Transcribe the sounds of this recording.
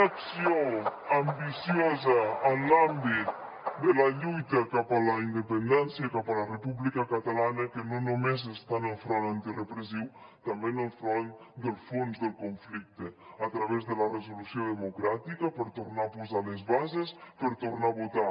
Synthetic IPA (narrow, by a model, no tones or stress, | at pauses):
əksioəmbisijozəːnlambit̪̚ | d̪ələʎujt̪əkapələind̪əpənd̪ɛnsiəkapələrəpuβlikəkət̪alanəkənonomezəst̪anəlˠfɾɔnant̪irəpɾəziw | t̪ambenəlˠfɾɔn | d̪əlˠfonzðəlˠkuɱflik̚t̪əːt̪ɾəβezðələrəzulusioðəmukɾat̪ikəpəɾt̪uɾnapuzaləzβazespəɾt̪urnaβut̪a